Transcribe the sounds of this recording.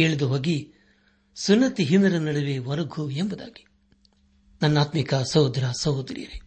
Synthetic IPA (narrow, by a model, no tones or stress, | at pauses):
eːɭid̪uɦoːɡi | sunːɐt̪iɦinɐɾɐnɐɽɐʋeʋɐɾɐɡʱuembud̪a̰ːɡi̥ | nɐnːaːt̪mikɐsɐwd̪ɾasɐwd̪ɾḭjɐɾe